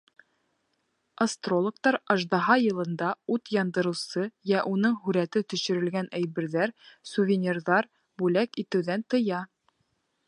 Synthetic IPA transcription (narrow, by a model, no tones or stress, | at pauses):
ɐst̪rolˠŏkt̪ɑɾɑʒd̪ɑɦɑjɤ̆lˠɤ̆nd̪ɑut̪jɑnd̪ɤ̆ɾɤ̆wsɤjæʔunɤɴɦʉɾæt̪ɘt̪ɵ̆ʃɘ̆ɾɘ̆lɡænʔæjbɘ̆ɾðæɾsuvʲɪnʲirðɑɾ | bʉlækit̪ɘ̆wðænt̪ɤ̆jɑ